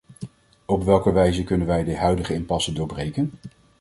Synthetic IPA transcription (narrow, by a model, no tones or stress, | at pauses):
ɔpʋɛlˠkəʋɛjzəkɵnənʋɛjdəɦœɥdəχəɪmpɑsədʊːɹbrejkən